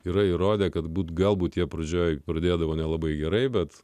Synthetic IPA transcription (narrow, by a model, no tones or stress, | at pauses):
iːɾɐiɾoːd̪ʲeːkɐt̪buːt̪ɡɐlˠbuːt̪jʲiɛpɾɐd͡ʒʲoːjpɾɐd̪ʲeːd̪ɐʋoːnʲɛlˠɐbɐɪɡʲɛɾɐɪbʲɛt̪